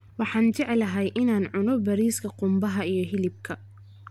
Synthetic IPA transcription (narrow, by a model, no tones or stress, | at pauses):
wɑħɑːnt͡ʃɛʕlɐɦɛjʔɪnaːnʕʊnɔbɐɾiːskʰɐqʊmbɐɦɐijɞɦɪlɪb̚kʰɐ